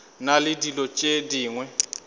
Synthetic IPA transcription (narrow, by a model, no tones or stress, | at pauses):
nalɪdilɔt͡ʃʼediːŋwɛ